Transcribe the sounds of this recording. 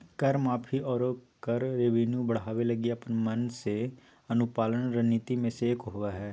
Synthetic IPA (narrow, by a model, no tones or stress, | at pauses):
kəɾmaːpʰiːʔɔːɾoː | kəɾːeʋinjũbəɽ̤aːʋeləɡiːəpənmənseː | ənʊpaːləɳɾəniːt̪iːmẽːseːkɦoːʋaːɦɛː